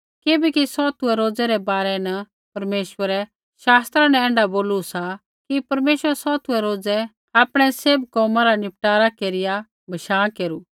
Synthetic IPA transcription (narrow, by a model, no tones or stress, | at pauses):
kebɛkisɔt̪uɛɾoːd͡zɛɾɛbaːɾɛnɐ | pɐɾmeːʃwəɾɛ | ʃaːst̪ɾãnɛɛ̃ːɳɖaboːlusa | kipɐɾmeːʃʋəɾsɔːt̪ʰuɛɾoːd͡zɛ | aːpɽ̃ɛseːbkɔːmaɾanɪp̚ʈaːɾakeːɾɪja | bʱɐʃaːkeːɾuː